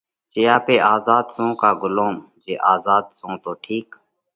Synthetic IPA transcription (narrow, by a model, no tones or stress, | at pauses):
t͡ʃejaːpeːʔaːzaːd̪sõːkaːɡʊlõːm | d͡ʒeːʔaːzaːd̪̚sõːt̪oːʈʰiːk